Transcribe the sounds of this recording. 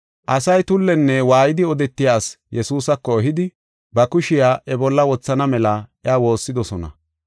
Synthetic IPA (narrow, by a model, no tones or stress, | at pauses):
ʔɐsɐjt̪ʊlːɛnːɛwaːjɪd̪ɪɔd̪ɛt̪ːɪjaːsjɛsuːsɐkːɔːɦɪd̪ɪ | bɐkʊʃɪjaːʔɛbɔlːɐwɔt͡sːɐnɐmɛlɐɪjaːwo̞ːsːɪd̪ɔsɔnɐ̰